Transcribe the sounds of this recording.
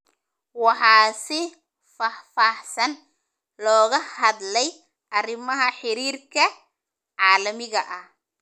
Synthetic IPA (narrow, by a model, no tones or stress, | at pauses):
wɑħɑːsɪ | fɑfaːħsɐn | lɔːɣɐhɐd̪lɛj | ʔɐrɪmɐɦɐħɪɾiːrkʰɐ | ʕɑːlɐmɪɣɐʔɐh